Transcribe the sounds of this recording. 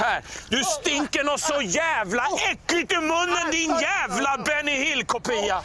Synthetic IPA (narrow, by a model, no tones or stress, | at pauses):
æːɾd̪ʉst̪ɪŋkənɔsɔjæːvlaʔɛkːlɪt̪ɪmɵnːənd̪ɪnjæːvlabɛnɪhɪlkʰʊpiːa